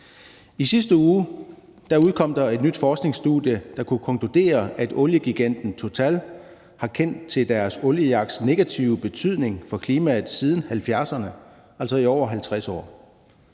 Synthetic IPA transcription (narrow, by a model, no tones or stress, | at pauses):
isisd̥əuː | d̥ɑuð̞̩ˠkʰɒ̽m̰d̥ɑ̈e̝d̥nyd̥fɒːsɡ̥ne̝ŋsd̥ṵðˠjəd̥ɑ̈kʰukʰɒ̽ŋkʰud̥e̝̰ːɐʔæd̥ɔ̽ljəɡ̥iɡ̥en̰d̥n̩t͡sʰo̝t͡sʰɛ̰ːl | hɑ̈kʰen̰d̥̚t͡sʰe̝ld̥æɐsɔ̽ljəjɑ̈ɡ̥sne̝ɡ̥æt͡sʰiʊb̥e̝t͡sʰyð̞̰ˠne̝ŋfɒ̽kʰliːmæð̩ˠsiːð̞ˠn̩hælfjæɐsɐnə | ʔæl̰sɒ̽iɒʊ̰ɐɦælt͡sʰʁasɒ̰ː